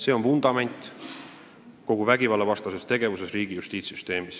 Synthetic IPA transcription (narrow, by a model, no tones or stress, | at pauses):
se̞ːo̞nfund̪̥ɑme̞nʲt̪ˑ | ko̞ɡ̥uvæɡivɑlːevɑst̪ɑsest̪e̞ɡ̥e̞vuse̞sriːɡ̥ijust̪iːt̪syst̪e̞ːmis